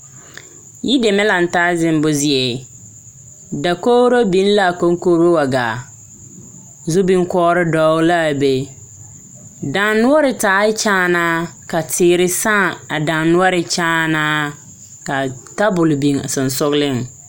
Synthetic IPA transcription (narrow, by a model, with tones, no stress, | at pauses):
ji˦de˨mɛ˦la˨n̩˨taː˦zɪ˦m˦bʊ˦zɪ˦˨ɛ˨ | da˨ko˦ɾo˦bi˦n˦la˦˨ko˦ŋ˦koː˦ɾo˦wa˨ɡaː˨ | zʊ˦bi˦ŋ˦kɔː˦ɾɪ˦dɔː˦la˦˨be˨ | da˨˦nːʊ˦ɔ˦ɾɪ˨taː˦t͡ʃaː˦na˦ka˨tʰɪː˨ɾɪ˦sã˦˨a˨da˨nnʊ˦ɔ˦ɾɪ˨t͡ʃaː˦naː˦ | ka˨ta˦bʊ˨lbi˨ŋa˨sʊ˨n˨sʊ˦ɣlɪ˦˨ŋ